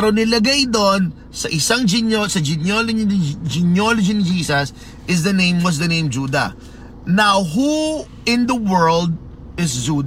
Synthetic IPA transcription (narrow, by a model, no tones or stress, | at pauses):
ɐɾonɪlɐɡajd̪on | sɐʔɪsaŋd͡ʒɪnosɐd͡ʒɪnjold͡ʒind͡ʒɪnjolɐd͡ʒinɪd͡ʒiːsɐs | ʔɪs̬d̪ɐnẽj̃mwɐs̬d̪ɐnẽj̃md͡ʒuːd̪ɐ̰ | nawɦu | ɪ̃nd̪ɐwɜɹld̪̚ | ɪsd͡ʒud̪